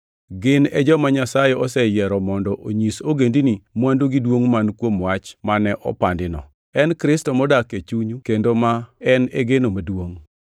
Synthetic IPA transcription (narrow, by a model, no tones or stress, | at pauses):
ɡɪnɛd͡ʒɔmaɲasajɛɔsɛjɛɾɔmɔndɔʔoɲisoɡendinimwandoɡidwoŋmankwomwat͡ʃmanɛʔɔ̰pandɪnɔ̰ | ɛnkɾɪstɔmɔdaket͡ʃuɲukendomaɛneɡenomadwoŋ